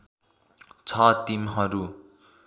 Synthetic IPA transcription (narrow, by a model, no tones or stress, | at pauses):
t͡sʰʌt̪imɦʌɾu